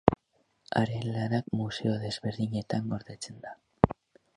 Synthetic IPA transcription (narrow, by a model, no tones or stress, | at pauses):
a̰ɾe̞laɾakmuse̞o̞ðe̞zβe̞ɾðiɲe̞t̪aŋɡo̞ɾðe̞t͡se̞nd̪a